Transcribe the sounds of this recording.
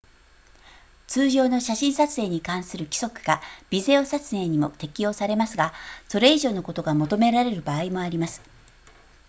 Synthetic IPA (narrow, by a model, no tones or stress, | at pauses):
t͡sɨːʑo̞ːno̞ɕaɕĩɰ̃sat͡sɨe̞ːɲ̟ikãɰ̃sɨɾɯ̟kʲi̥so̞kɯ̟̥ɡ̥ab̥ʲize̞osat͡sɨe̞ɲ̟imo̞̰t̪e̞kʲijo̞ːsaɾe̞masɨɡaso̞ɾe̞iʑo̞ːno̞ko̞t̪o̞ɡamo̞t̪o̞me̞ɾaɾe̞ɾɯ̟baːimo̞aɾʲimasɨ̥